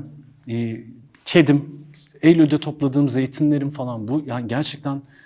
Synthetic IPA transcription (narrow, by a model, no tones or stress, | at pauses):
cʰed̪im | ejlʲylʲd̪ɛt̪ʰo̞plˠad̪ɯːmze̞jit̪ʰimlʲe̞ɾimfalˠanbujanɟæɾt͡ʃʰɛc̚t̪ʰæn